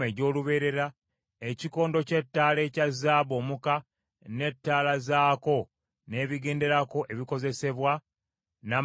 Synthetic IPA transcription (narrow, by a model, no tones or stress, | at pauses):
eɟo̞ːluβe̞ːɾe̞ɾa | eciko̞ːndoce̞tːaːle̞ːcazaːβo̞ːmuka | ne̞tːaːlazaːko̞ | ne̞ːβiɡe̞ːnde̞ɾako̞ʔe̞βiko̞ze̞se̞βwa | na